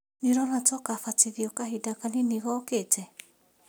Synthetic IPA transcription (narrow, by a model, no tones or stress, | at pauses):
neɾɔɾatɔkafatiðiɔkaɦidakaneniɣɔketɛ